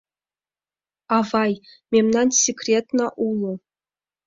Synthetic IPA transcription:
ɑvɑjmʲemnɑnsʲikrʲet̪nɑʔulˠɤ̆

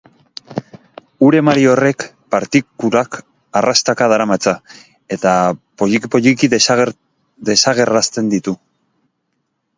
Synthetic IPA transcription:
uɾe̞maɾio̞re̞k | paɾt̪ikulak | arast̪akað̞aɾamat͡sa | e̞t̪apopoʎikið | d̪e̞saɣ̞e̞rast̪e̞nd̪it̪u

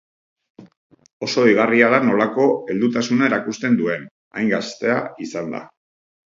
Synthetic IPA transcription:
o̞so̞iɣ̞ariaðano̞lako̞e̞ld̪ut̪asunae̞ɾakust̪e̞nd̪ue̞n | a̰jŋɡast̪e̞aisand̪a̰

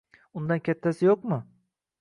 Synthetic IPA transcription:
ʊnd̪ankʲʰat̪ʰːasɪjoqmʊ

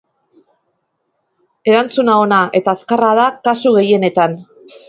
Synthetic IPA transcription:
e̞ɾant͡sunao̞naʔe̞t̪aːskaraðakasuɣe̞je̞ne̞t̪an

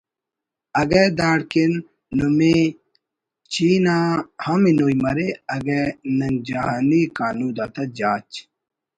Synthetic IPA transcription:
ɐɡed̪aːɽkinː | ume | t͡ɕiːnahɐminojmɐɾeɐɡenɐnd͡ʑaɦaːnikaːnuːd̪at̪ɐd͡ʑaːt͡ɕ

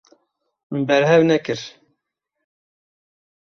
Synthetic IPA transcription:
mbɛɾɦɛvnɛkɨɾ

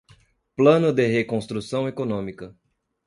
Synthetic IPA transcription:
plɐ̃nʊd̪eɦekõst̪ɾusɐ̃w̃ekonõmikɐ

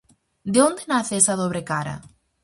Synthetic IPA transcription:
d̪eond̪enaθeesaðoβ̞ɾekaɾa̰

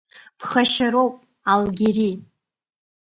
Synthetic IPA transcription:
pʰχaʃaɾowpʼ | alɡʲiri

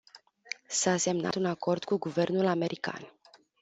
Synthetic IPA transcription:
sase̞mna̰t̪unako̞rd̪kuɡuve̞rnulame̞ɾʔika̰n

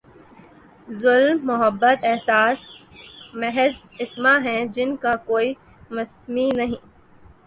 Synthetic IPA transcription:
zʊlmːʊɦəbːət̪ɛɦsaːs | mɛɦɛz | ɪsmaɦɛ̃d͡ʒɪnkakoːi | mɐsminɐɦĩː

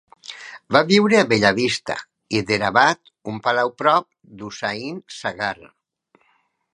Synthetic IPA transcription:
baβiwɾeaβeʎaβist̪a̰ | iðeɾaβat̪ | umpalawpɾɔp̚ | d̪usainsaɣar

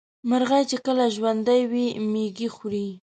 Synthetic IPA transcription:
maɾɣajt͡ʃekəlaʒwand̪ajwimeɡixɾi

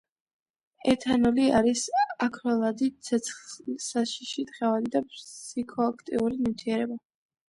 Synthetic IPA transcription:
ɛt̪ʰanɔliaɾisakʰɾɔlˠad̪it̪sʰɛt̪sʰlsaʃiʃid̪ʁɛvalid̪apʰsikʰɔakʰt̪ʼiuɾinimt̪ʰiɛɾɛba

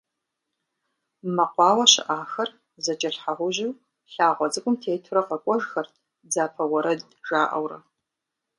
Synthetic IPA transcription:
mɐqʷɑːwɐɕɪ̰ʔaːxɐr | zɐd͡ʒʼɐɬħaʁʷʊʑɪw | ɬaːʁʷɔzɨkʷʼʊmtʰeːtʰʊɾɐqɐkʷʼɔʒxɐrtʰ | d͡zaːpʰɐwɐɾɐd | ʒaːʔɐ̰wrɐ̰

